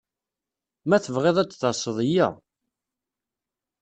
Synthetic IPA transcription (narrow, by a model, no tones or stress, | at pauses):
mæθəvʁeðˤæt͡sːθɑsˤːəðˤəjæ̰